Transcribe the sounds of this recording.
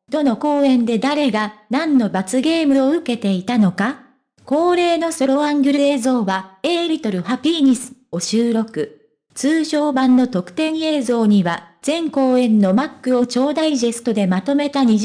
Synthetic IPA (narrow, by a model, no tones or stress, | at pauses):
d̪̥o̞no̞ko̞ːẽ̞nd̪e̞d̪aɾe̞ɡanãnːo̞bat͡sɨɡe̞ːmɯ̟o̞ɯ̟ke̞t̪e̞it̪ano̞ka | ko̞ːɾe̞ːno̞so̞ɾo̞ãŋɡʲɯ̟ɾɯ̟e̞ːzo̞ːβaeːɾʲit̪o̞ɾɯ̟hapʲiɲ̟isɨ̥o̞ɕɨːɾo̞kɯ̟ | t͡sɨːɕo̞ːbãnːo̞t̪o̞kɯ̟̥t̪ẽ̞ɰ̃e̞ːzo̞ːɲ̟iβaz̥ẽ̞ŋko̞ːẽ̞nːo̞makːɯ̟o̞t͡ɕo̞ːd̪aiʑesɨ̥t̪o̞d̪e̞mat̪o̞me̞t̪aɲ̟i